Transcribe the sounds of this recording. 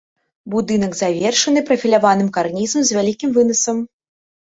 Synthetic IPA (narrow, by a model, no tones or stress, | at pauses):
bud̪ɨnɐɡzavʲɛrʂɐnɨpɾɐfʲilʲavanɨmkarnʲizɐmzʲvʲalʲikʲimvɨnɐsɐm